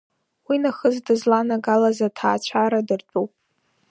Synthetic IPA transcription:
winaχəzdɨzlanaɡalazatʰaːt͡ɕʷʰaɾadɨrt͡ɕʷʼupʼ

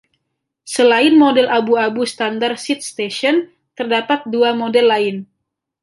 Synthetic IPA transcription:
səlaɪnmodɛlʔabuabusə̥t̪andarsit̪̚st̪eʃɔn | t̪ərdapat̪̚duamodɛlːaɪn

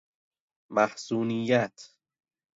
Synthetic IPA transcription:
mahsuːnijat̪ʰ

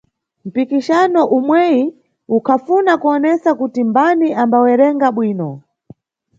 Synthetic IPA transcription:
m̩pikiʃanɔʔumwɛji | ukʰafunakuɔnɛsakutimbaniʔambawɛɾɛŋɡaɓwiːnɔ

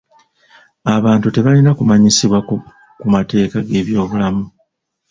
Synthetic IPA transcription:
aβaːntute̞βalinakumaɲisiβwa | kumate̞ːkaɡe̞ːβjo̞ːβulamu

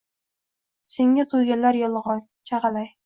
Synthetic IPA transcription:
seŋat̪ʰojɡʲalːaɾjɒlˠʁɑn | t͡ʃʰaʁɑlaj

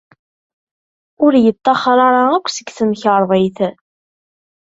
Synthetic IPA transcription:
ʊɾjət̪ˤːɑχɾˤɑɾˤɑækʷːsəɡθəmçəɾˤðˤiɪθ

